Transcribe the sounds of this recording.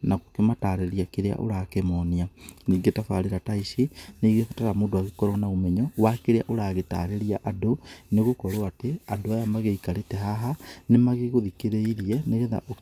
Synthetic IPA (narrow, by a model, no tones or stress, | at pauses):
nakokemataːɾeɾiakeɾea̰ʔo̰ɾakemɔnianiːŋɡetafa̰ɾeɾataisiniɣefataɾamoːndowaɣekɔɾɔnaomɛɲɔwakeɾea̰ʔoɾaːɣeta̰ːɾeɾiaʔadoneɣokɔɾoateadoajamaɣeikaɾetɛɦaɦanemaɣeɣoðikeɾeiɾiɛneɣeða̰ʔo